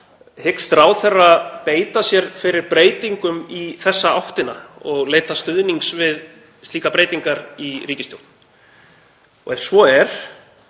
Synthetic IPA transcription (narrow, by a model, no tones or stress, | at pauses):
hɪkst̪ɾawθɛrːapeːjt̪asjɛɾ̥fɪɾɪɾpɾeːjt̪iŋkʏmiθɛsːaawht̪ɪnaɔɣleːjt̪ast̪ʏðniŋksvɪð | st̪liːkapɾeːjt̪iŋkaɾiɾiːcɪst̪jowht̪n̥ | ɔɣɛfsvɔɛɾ̥